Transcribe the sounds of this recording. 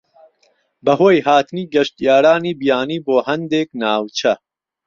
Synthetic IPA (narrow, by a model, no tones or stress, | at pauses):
bɐɦoːjhaːt̪ɨniːɡɐʃt̪ijaːɾaːniːbijaːniːboːhɐnd̪eːk̚naːwt͡ʃʰɐ